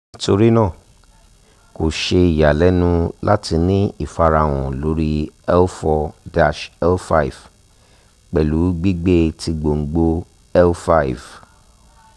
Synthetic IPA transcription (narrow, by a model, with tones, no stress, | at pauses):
nĩ˦to˧ɾi˦nã˦˨ | ko˨ʃe˧i˨ja˨lɛ˨˦nũ˧la˦ti˧nĩ˦i˦˨fa˧ɾa˧w̃ɔ̃˨lo˨˦ɾi˦ɛ˦lfɔ˧da˨˧ʃɛ˦lfa˦i˨v | k͡pɛ˨lu˨˦ɡ͡bi˦ɡ͡be˦ti˧ɡ͡bo˨ŋ̩˨ɡ͡bo˧ | ɛ˦lfa˧i˨v